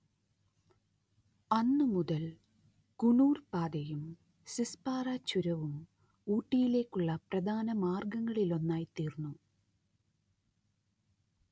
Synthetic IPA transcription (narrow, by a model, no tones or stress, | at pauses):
ɐnːɨmuðɐl | kuɳuːrpaːd̪ɐjum | sispaːraːt͡ɕːuɾɐʋum | uːʈːijile̞ːkːuɭːɐprɐd̪ʱaːnɐmaːrɡɐŋːɐɭilo̞nːaːjt̪iːrnːu